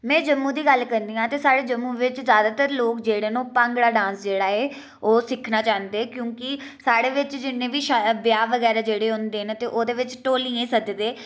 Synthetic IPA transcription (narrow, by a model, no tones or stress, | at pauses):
mɛ̃ːd͡ʒəmːũːd̪iːɡəlkəɾnd̪iːãːt̪eːsaːɽeːd͡ʒəmːũːʋɪt͡ʃzjaːd̪aːt̪əɾloːkd͡ʒeːɽeːnũːpãŋɡɽaːɖãːnsd͡ʒeːɽaːeː | oːsɪkʰnaːt͡ʃãːnd̪eːkjõːkɪ | saːɽeːʋɪt͡ʃd͡ʒɪnːẽːʋiːʃabjaːʋəɡɛːɾaːd͡ʒeːɽeːɦʊ̃nd̪eːɦnt̪eːʔoːd̪eːʋɪt͡ʃʈoːliːẽːsəd̪d̪eː